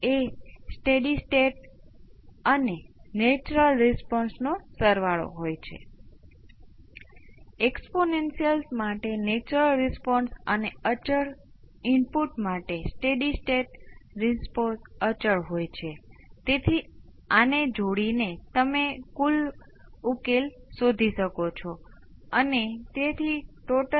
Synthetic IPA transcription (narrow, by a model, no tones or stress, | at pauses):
esʈeɖisʈeʈ | ənenet͡ʃɾəlɾispɔnsnosəɾʋaɭo̰ɦojt͡ʃʰḛ | eksponensijəlsmaʈenet͡ʃɾəlɾispɔnsəneət͡ʃəɭ | impuʈmaʈesʈeɖisʈeʈɾisposət͡ʃəɭɦojt͡ʃʰet̪et̪ʰi | aned͡ʒoɽinet̪əmekul | ukelsod̪ʱiʃəkot͡ʃʰo | ənet̪et̪ʰiʈoʈə